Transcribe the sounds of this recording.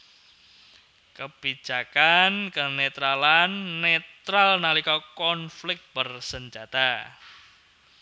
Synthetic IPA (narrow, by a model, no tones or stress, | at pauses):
kəb̥i̥d͡ʒ̥akankənet̪ɾalanːet̪ɾalnalikɔkɔnflɪk̚t̪̚b̥ərsəɲd͡ʒat̪a